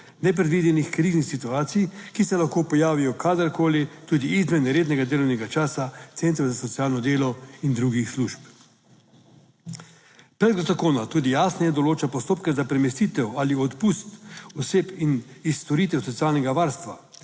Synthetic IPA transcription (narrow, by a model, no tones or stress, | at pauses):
nɛp̬ɾɛd̪ʋid̪ɛnixkɾiznixsit̪uaːt̪sijkisɛlaxkoːpɔjaːʋijɔkʰaːd̪əɾkoːlit̪uːd̪iizmɛnɛɾeːd̪nɛɡad̪eːlɔwnɛɡat͡ʃaːsat̪sent̪ɾɛzasɔsiaːlnɔd̪eːlɔind̪ɾuɡixsluʃp | pɾɛd̪zakoːnat̪uːd̪ijaːsnɛjɛd̪ɔloːt͡ʃapɔst̪oːpkɛzapɾɛmɛst̪iːt̪ɛwaliɔt̪pust̪ɔseːpinist̪ɔɾiːt̪ɛwsɔt̪sijaːlnɛɡaʋaɾst̪ʋa̰